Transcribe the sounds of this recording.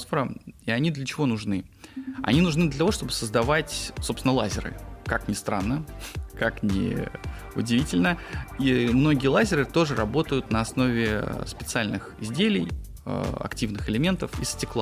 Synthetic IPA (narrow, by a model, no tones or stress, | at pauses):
sfəɾəiɐnʲid̪lʲət͡ɕɪvo̞nʊʐnɨ | ɐ̰nʲinʊʐnɨd̪lʲət̪ɐvoʂt̪o̞bɨ̥səzd̪ɐvatʲsosɪnəlˠazʲɪɾɨ̰kaknʲɪst̪ɾanːəkaknʲɪ̰ | ʊdʲɪvʲitʲɪlʲnəimno̞ɡʲɪjəlˠazʲɪɾɨt̪o̞ʐɨɾɐbo̞t̪əjʊt̪nəɐsno̞vʲɪspʲɪt̪sɨalʲnɨxɪzʲdʲelʲɪj | ə̰ɐ̰ktʲivnɨxɪlʲɪmʲe̞nt̪əfḭsʲtʲɪklˠa